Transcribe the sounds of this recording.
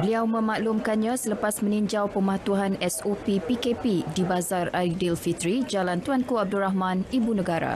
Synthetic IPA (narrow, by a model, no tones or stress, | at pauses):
bəliawmə̃mãʔlumkanɲãsələpasmə̃niɲd͡ʒawpəmat̪uɦanɛsopipikepidibazaraɾik̚dilfit̪ɾid͡ʒalant̪uankuab̚duɾaɦmãnibunə̃ɡaɾa̰